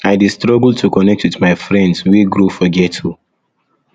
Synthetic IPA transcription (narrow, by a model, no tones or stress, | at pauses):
aɪdistɹɔɡl̩ˠtʰukɔnɛk̚twiθmaɪfɹɛ̃ndsweɡɹofɔɡɛtu